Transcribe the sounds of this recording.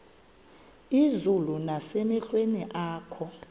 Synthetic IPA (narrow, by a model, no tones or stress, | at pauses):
izulunasemɛɬweniʔaːkʰɔ